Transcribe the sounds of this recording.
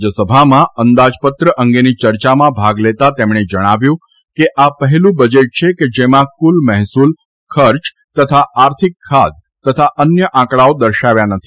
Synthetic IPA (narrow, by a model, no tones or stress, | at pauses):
d͡ʒəsəbʱamãənd̪ad͡ʒpət̪ɾəʔəŋɡenit͡ʃəɾt͡ʃamãbʱaɡlet̪at̪emɽ̃ed͡ʒəɽ̃aʋjũ | keʔapəɦɛlũbəd͡ʒeʈ̚t͡ʃʰeked͡ʒemãkulmɛɦsul | kʰəɾt͡ʃ | t̪ət̪ʰaʔaɾt̪ʰikʰːad̪̚ | t̪ət̪ʰaʔənjəʔãkɭaod̪əɾʃaʋjanət̪ʰi